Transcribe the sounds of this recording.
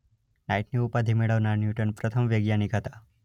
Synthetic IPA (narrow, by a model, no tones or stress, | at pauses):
naiʈniupad̪ʱimeɽəʋnaɾnjuʈənpɾət̪ʰəmʋəɡjanikɦət̪ḁ